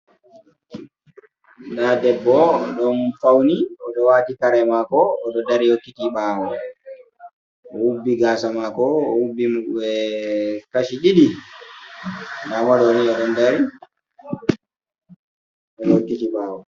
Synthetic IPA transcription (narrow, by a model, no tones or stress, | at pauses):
ɗadɛbːɔɗɔnfawniɔɗɔwaːtikaɾɛmakɔːɗɔdaɾihokːitiɓaːwɔ | ɔwubːiɡaːsamakɔːwubːimuɗuɛ | kaʃiɗiɗi | ɗamaɗɔniɔɗɔndaɾi | ɗɔɗɔhokːitiɓaːwɔ